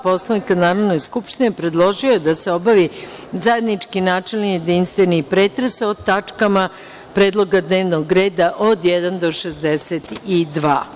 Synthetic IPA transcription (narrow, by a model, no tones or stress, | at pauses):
po̞slˠanikanaːɾoʋno̞jskupʃt̪inepɾe̞d̪lˠo̞ʒioed̪ase̞o̞baʋizaje̞d̪nit͡ʂkinaːt͡ʃe̞lnijed̪inst̪ʋe̞nipɾeːt̪ɾesot̪ːat͡ʂkama | pɾe̞ːd̪lˠo̞ɡad̪neːʋnoɡɾe̞ːd̪aʔod̪jɛd̪and̪o̞ʃezd̪eset̪id̪ʋa̰ː